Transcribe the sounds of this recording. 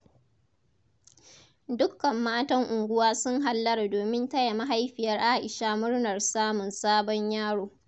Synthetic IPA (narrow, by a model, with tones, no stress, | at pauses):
dʊ˦kːɐ˨mːaː˦tɐ˦ŋʔʊ˨ŋɡʷʊ˦waː˦sʊ˦ŋɦa˨lːɐ˦rdoː˨mɪ˦ntɐ˦ja˨ma˦ɦa˦jɸɪ˨jɐ˦rʔa˦˨ʔɪ˨ʃaː˦mʊ˦rnɐ˨rsaː˦mʊ˨nsaː˦bɔ˦ɲjaː˦ɽoː˨